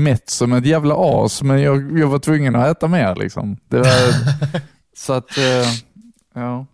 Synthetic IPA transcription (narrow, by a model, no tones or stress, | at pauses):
mɛt̪sɔmɛt̪jæːvlaʔɑ̰ːsmɛnjɑːɡjɑːɡvaʈʰvɵŋːənɔæːt̪ameːɾlɪ̰ksɔ̰md̪̥ɛvaɾ | sɔat̪ | jɑː